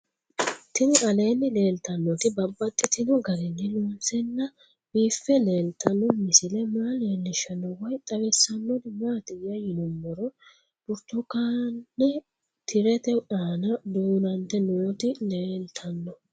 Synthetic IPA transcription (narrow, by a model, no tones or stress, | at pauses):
t̪ɪnʔɐle̞ːnːɪle̞ːlt̪ɐnːɔt̪ɪbɐbːɐt̪ʼːɪt̪ɪnɔɡɐɾɛnːɪluːnsɛnːɐ | b̥iːfːɛleːlt̪ɐnːɔmɪsɪlɛmaːleːlːɪʃɐnːɔwɐjt̪ʼɐwɛsːɐnːɔd̪ɪmaːt̪ɪjːɐjɪnɔmːɔɾɔ | b̥ʊɾt̪ɔkanːɪ | t̪ʰɪɾɛt̪ɛʔaːnɐd̪uːnɐnt̪ɛnoːt̪ɪleːlt̪ʰɐnːɔ